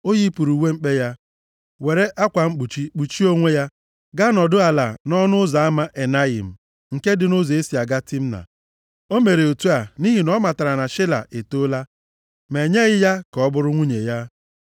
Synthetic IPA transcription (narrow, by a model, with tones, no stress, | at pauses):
o˦ji˦pu˨ɾu˨we˦ŋ͡m̩˦k͡pe˦ja˦ | we˨ɾe˦ʔa˦kʷa˨ŋ͡m̩˦k͡pu˨t͡ʃi˦k͡pu˨t͡ʃi˦o˦ŋʷe˦ja˦ | ɡa˦nɔ˨dʊ˦a˨la̰˨nɔ˦nʊ˦za˨a˦ma˦ʔe˨na˦ḭ˨m̩˨ | ŋ̩˨ke˦dɪ˨no˦zo˨e˦si˨a˨ɡa˦tɪ˦m̩˦na̰˨ | o˦me˨ɾe˨o˨tu˦a˨ni˦ɦi˨nɔ˦ma˨ta˨ɾa˨na˨ʃɪ˦la̰˨ʔe˨to˦la˦ | me˨ɲe˦ɣɪ˦ja˦kɔ˦bʊ˦ɾʊ˦ŋʷu˦ɲe˨ja˦